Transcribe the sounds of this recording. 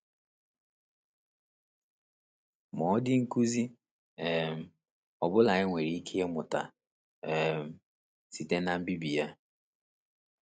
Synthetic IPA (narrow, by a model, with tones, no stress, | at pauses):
mɔ˨˦dɪ˦ŋ̩˦ku˦zi˦ | ɛ˨m̩˨ | ɔ˨bʊ˦la˨ɲɪ˦ŋʷe˨ɾi˨i˦kʰe˦e˦mʊ˨ta̰˨ | ɛ˨m̩˨ | si˨te˦na˦m̩˦bi˦bi˨ja˦